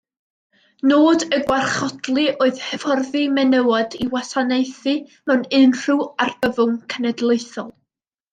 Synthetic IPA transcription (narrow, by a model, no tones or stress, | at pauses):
noːdəɡwarχɔdlˠiʔoːɨð̥həvɔrðɨmɛnəwɔdiwasanejθɨmɛwnɪnr̥ɨwarbəvʊŋkʰənɛdlˠejθɔlˠ